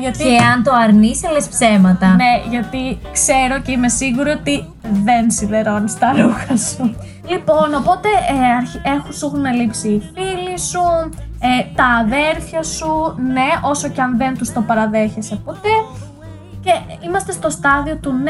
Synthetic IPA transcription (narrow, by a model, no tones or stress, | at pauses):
ʝɐt̪iɐnt̪oɐɾniselespse̞mɐt̪ɐneʝɐt̪ikse̞ɾoce̞ime̞siɣuɾoot̪i | ðe̞nsiðe̞ɾo̞nist̪ɐɾuxɐsu | lipo̞no̞po̞t̪e̞eɐɾiexusuɣunɐlipsiːfilisuet̪ɐːðe̞ɾθçɐsune̞o̞so̞ceɐnðe̞nt̪ust̪o̞pɐɾɐðe̞çe̞sepo̞t̪e̞ | ce̞imɐst̪e̞st̪o̞st̪ɐðio̞t̪un